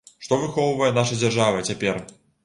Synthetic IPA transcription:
ʂt̪ɔvɨxɔwvɐjɛnaʂɐd͡zʲarʐavɐt͡sʲapʲɛr

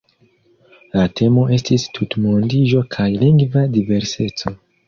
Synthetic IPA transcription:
latʰe̞mo̞e̞stistʰutmondiʒo̞kʰajliŋɡvadive̞ɾse̞t͡so̞

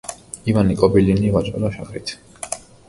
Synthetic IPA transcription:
ivanikʼɔbilinivat͡ʃʼɛ̰laʃaχɾḭt̪ʰ

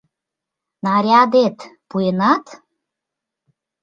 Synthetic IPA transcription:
nɑɾʲɑd̪et̪puenɑt̪

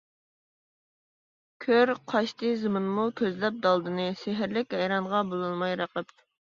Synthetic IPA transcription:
kʲʰøɾqʰɑʃt̪ɨzɨmɨnmut̪ʰøzlɛp̚d̪ɑlˠd̪ɨnɨsɪɦɪɾlɪkʲhɛjɾɑɴʁɑbolˠɨlˠmɑjɾəqəp̚

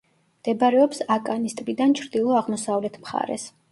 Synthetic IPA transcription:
md̪̥ɛbaɾɛɔpsakʼanist̪ʼbid̪ant͡ʃʰɾd̪ilˠɔaʁmɔsavlɛt̪ʰmχa̰ɾɛ̰s

